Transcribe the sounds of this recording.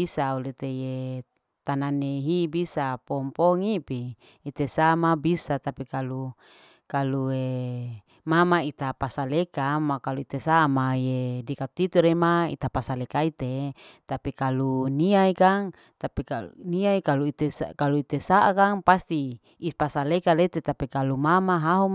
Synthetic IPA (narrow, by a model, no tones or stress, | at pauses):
isaulet̪eje | t̪ananeɦibisapɔmpɔŋipiː | t̪esamabisat̪apikalu | kalue | mamait̪apasalekamakaluit̪esamajedikat̪it̪uɾemaḭt̪apasalekait̪et̪apikaluniaikaŋ | t̪apikaniaikaluit̪esa̰kaluit̪esaʔakaŋpast̪iː | pasalekalet̪et̪apikalumamaɦaɦum